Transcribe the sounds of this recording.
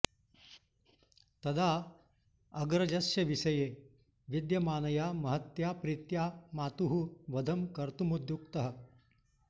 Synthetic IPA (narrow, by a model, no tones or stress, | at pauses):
t̪ɐd̪ʱa | ɐɡɾɐd͡ʒɐsjɐʋisɐje | ʋid̪jɐmaːnɐjamɐɦət̪japɾit̪jamaːt̪uɦuʋɐd̪ʱəmkɐɾt̪umud̪jukt̪ɐɦə